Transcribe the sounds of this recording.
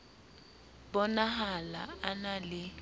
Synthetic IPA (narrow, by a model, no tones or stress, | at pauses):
bɔnaɦalaanalɪ